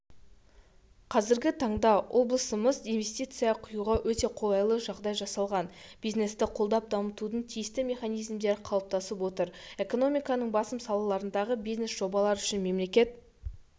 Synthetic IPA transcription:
qʰɑzɪɾɡʲɪt̪ʰɑɴd̪ɑwʔo̞blˠəsəməzinve̞st̪ijt̪sɨjɑqʰʊjuʁɑwɵt̪e̞qʰo̞lˠɑjlˠəʒɑʁd̪ɑjʒɑsɑlˠʁɑnb̥ijzne̞st̪ɪqʰo̞lˠd̪ɑp̚d̪ɑmət̪ud̪əɴt̪ʰijɪst̪ɪmʲe̞χɑnijzmd̪e̞ɾqʰɑlˠəp̚t̪ɑsəpwo̞t̪əɾe̞ko̞no̞mijkɑnəɴbɑsəmsɑlˠɑlˠɑɾənd̪ɑʁəbijzne̞sʒ̥o̞bɑlˠɑɾʏʃɪnme̞mle̞kʲe̞t̪̚

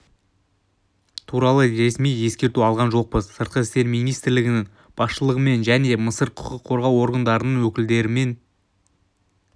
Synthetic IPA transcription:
t̪ʰuɾɑlˠəɾe̞smije̞skʲe̞ɾt̪uɑlˠʁɑnʒo̞q̚pəzsəɾt̪̚qəɪst̪e̞ɾmijnijst̪ɪɾlɪɡʲɪnɪŋ | b̥ɑsʃəlˠəʁəme̞nʒæne̞məsəɾqʰʊ̥qəqʰːo̞ɾʁɑwo̞ɾɡənd̪ɑɾənəɴwɵkʲɪld̪e̞ɾɪme̞n

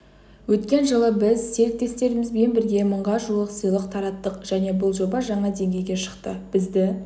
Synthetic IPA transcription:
wɵt̪kʲe̞nʒəlˠəbɪzse̞ɾɪk̚t̪e̞st̪e̞ɾɪmɪzbe̞nbɪɾɡʲe̞məɴʁɑʒulˠəqsəjlˠəqt̪ʰɑɾɑt̪ːəqʒ̥æne̞bʊlˠʒo̞bɑʒɑɴɑd̪e̞ŋɡʲe̞jɡʲe̞ʃə̥qt̪əb̥ɪzd̪ɪ

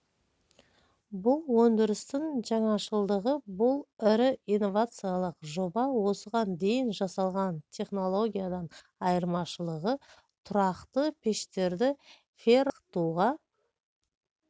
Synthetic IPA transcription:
bʊlˠwɵnd̪ɪɾɪst̪ɪŋʒɑɴɑʃəlˠd̪əʁəbʊlˠɪɾɪijnːo̞vat̪sɨjalˠəqʒo̞bɑwo̞səʁɑnd̪e̞jɪnʒɑsɑlˠʁɑnt̪ʲʰe̞χno̞lˠo̞ɡʲijad̪ɑn | ɑjəɾmɑʃəlˠəʁə | t̪ʰʊɾɑqt̪əpʰe̞ʃt̪e̞ɾd̪ɪ | feɾqt̪uʁɑ

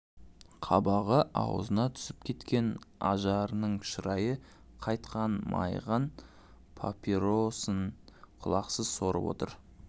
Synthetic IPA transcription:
qʰɑbɑʁəʔɑ̰wə̰zənɑt̪ʰʏ̥sɪpkʲʰe̞t̪kʲe̞nɑʒɑɾənəɴʃəɾɑjə | qʰɑjt̪qɑnmʔɑ̰jʁɑn | pʰa̰piɾosəɴqʰʊlˠɑqsəzso̞ɾə̰pwo̞̰t̪ə̰ɾ

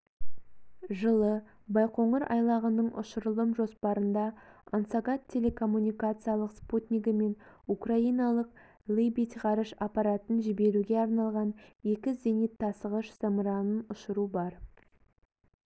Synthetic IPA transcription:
ʒəlˠə | bɑjqo̞ɴəɾʔɑ̰jlˠɑʁənəɴʊ̰ʃəɾəlˠəmʒo̞spɑɾənd̪ɑɑnsaɡɑt̪ʰʲːe̞le̞kʰo̞mːunʲijkat̪sɨjɑlˠəqsput̪ʲnʲiɡəme̞nukraijnɑlˠəq̚ | lʲˠejbit̪ʲʁɑɾəʃɑpɑɾat̪ənʒɪbe̞ɾuɡʲe̞ɑɾnɑlˠʁɑne̞kʲɪzenit̪ʰːɑsəʁəʃz̥əmɾɑnənʊʃəɾubɑɾ

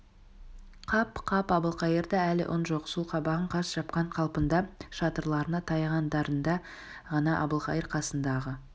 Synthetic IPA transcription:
qʰɑpqʰɑpɑbəlˠqɑjəɾd̪ɑælɪ̰ʔʊnʒoʁə̥sulˠqʰɑbɑʁəɴqʰɑsʒ̥ɑpqɑɴqʰɑlˠpənd̪ɑʃɑt̪əɾlˠɑɾənɑt̪ʰɑjʁɑnd̪ɑɾənd̪ɑ | ʁɑnɑʔɑ̰bəlˠqɑjəɾqʰɑsənd̪ɑʁə

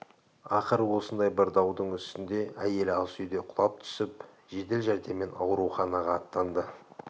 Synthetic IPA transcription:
ɑqəɾəwo̞sənd̪ɑjbɪɾd̪ɑwd̪əɴʏst̪ɪnd̪e̞ʔæje̞lɑlˠsʏjd̪e̞qʰʊlˠɑp̚t̪ʰʏ̥sɪp | ʒe̞d̪e̞lʒæɾd̪e̞mːe̞nɑ̰wɾuχɑnɑʁɑːt̪ːɑnd̪ə

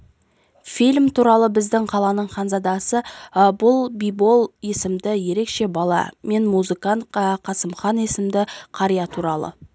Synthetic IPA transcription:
filʲmt̪ʰuɾɑlˠəbɪzd̪ɪŋqʰɑlˠɑnəɴχɑnzɑd̪ɑsəbʊlˠbijbo̞lˠje̞sɪmd̪ɪje̞ɾe̞kʃe̞bɑlˠɑ̰me̞nmuzɨkɑnt̪qʰɑsəmχɑnesɪmd̪ɪqʰɑɾijɑt̪ʰuɾɑlˠə̰

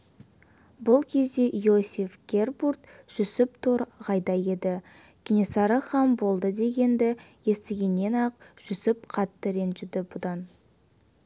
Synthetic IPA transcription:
bʊlˠkʲʰe̞zd̪e̞ʔjo̞sʲifɡʲe̞rburt̪ʒ̥ʏsɪp̚t̪ʰoɾʁɑjd̪ɑje̞d̪ɪ | ɡʲɪnesɑɾəχɑmbo̞lˠd̪əd̪e̞ɡʲe̞nd̪ɪje̞st̪ɪɡʲe̞nːe̞nɑqʒ̥ʏsɪpqʰɑt̪ːəɾenʒɪd̪ɪbʊd̪ɑn

